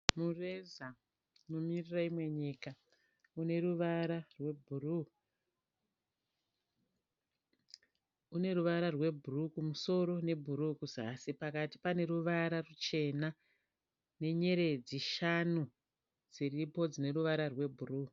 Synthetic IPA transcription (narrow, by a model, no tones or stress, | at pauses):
mureza | nomiriraimwe̞ɲika | une̞ɾuʋaɾarwe̞bʱuru | une̞ruʋaɾarwe̞bʱurukumuso̞ɾo̞ne̞bʱuɾukuzasipakati̥pane̞ɾuʋaɾarut͡ʃe̞na | ne̞ɲe̞ɾe̞d͡ziʃanu | d͡ziripo̞d͡zine̞ɾuʋaɾarwe̞bʱuruː